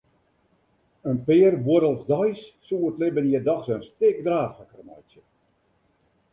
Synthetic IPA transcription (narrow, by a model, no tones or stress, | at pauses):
ənpɪːrboɾəlˠsdɔjsːuətlɪbəniədɔxsənstɪk̚draːxəkrmajsjə